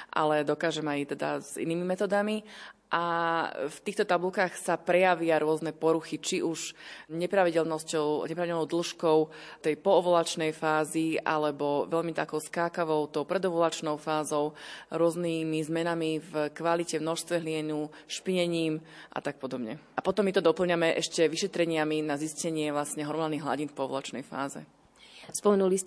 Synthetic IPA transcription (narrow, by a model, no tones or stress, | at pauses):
ʔa̰lɛd̪ɔkaːʒɛmajt̪ɛd̪a̰zḭniːmimɛt̪ɔːd̪amiʔaft̪iːxt̪ɔt̪abulkaːxsapɾɛjaʋɪaɾʊɔznɛpɔɾuxit͡ʃiʔuʃɲɛpɾaʋiɟɛlnɔscɔʊɲɛpɾaʋiɟɛlnɔʊd̪l̩ʃkɔʊt̪ɛjpɔːʋɔlat͡ʃnɛjfaːziʔa̰lɛbɔʋɛʎmit̪akɔʊskaːkaʋɔʊt̪ɔʊpɾɛd̪ɔʋɔlat͡ʃnɔʊfaːzɔʊɾʊɔznimizmɛnamivkʋalicɛmnɔʃst̪ʋɛɦlɪɛnuʃpiɲɛɲiːmʔa̰t̪ak̚pɔd̪ɔbɲɛ̰ʔapɔt̪ɔmːit̪ɔd̪ɔpl̩ˠɲamɛʔɛ̰ʃcɛʋiʃɛt̪ɾɛɲɪaminaziscɛɲɪɛʋlasɲɛɦɔɾmɔnaniɦla̰ɟinfpɔɔʋɔ̰lat͡ʃnɛ̰jfa̰ːzɛ̰ | spɔmɛnulis